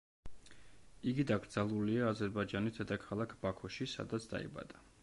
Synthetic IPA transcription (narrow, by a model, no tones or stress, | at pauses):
iɡid̪aɡɾd̪zalˠuliaːzɛɾbad͡ʒanit̪ʰɛd̪akʰalˠakʰb̥akʰɔʃisa̰d̪at̪sʰd̪a̰ḭba̰d̪a